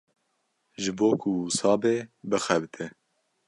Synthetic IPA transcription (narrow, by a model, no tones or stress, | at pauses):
ʒɨboːkʰusɑːbeːbɨxɛbɨt̪ʰɪ